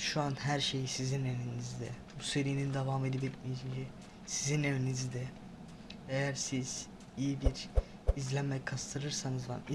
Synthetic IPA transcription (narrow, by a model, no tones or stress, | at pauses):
ʃuanhæɾʃe̞jisizinevinizid̪ɛbuse̞ɾijnind̪evaːme̞d̪ibit̪̚mijit͡ʃʰimcʰi | sizinevinizid̪ɛ | ejæɾsiz̥ | ijibiɾ | izlʲæmmɛkʰast̪ʰɯɾɯɾsanɯzva̰n